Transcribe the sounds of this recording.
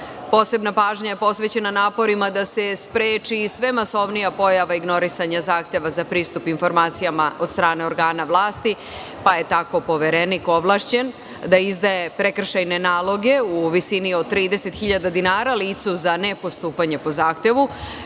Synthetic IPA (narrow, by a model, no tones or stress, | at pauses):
po̞ːse̞bnapaːʒɲaje̞po̞sʋe̞t͡ɕe̞nanaːpo̞ɾimad̪ase̞spɾeːt͡ʃisʋe̞maso̞ʋnijapo̞jaʋaiɡno̞ɾisaɲazaːxt̪e̞ʋazapɾiːst̪upinfo̞ɾmaːt̪sijamao̞d̪st̪ɾaːne̞o̞ɾɡaːnaʋlˠaːst̪i | paje̞t̪ako̞po̞ʋe̞ɾenikoʋlˠaʃt͡ɕe̞n | d̪aizd̪aje̞pɾekr̩ʃajne̞naːlˠo̞ɡe̞uʋisiniod̪̚t̪ːɾiːd̪e̞se̞t̪xiʎad̪ad̪inaːɾaliːt̪suzane̞po̞st̪uːpaɲe̞po̞zaːxt̪e̞ʋu